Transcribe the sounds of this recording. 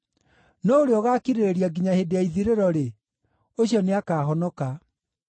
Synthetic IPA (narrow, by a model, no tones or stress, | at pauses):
nɔoɾeɔɣaːkiɾeɾeɾiaɡiɲahedeaiðiɾeɾɔɾe | oɕiɔneakaːɦɔnɔka